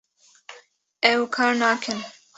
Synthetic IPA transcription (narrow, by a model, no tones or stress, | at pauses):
ɛwkʰɑːɾnaːkʰɨn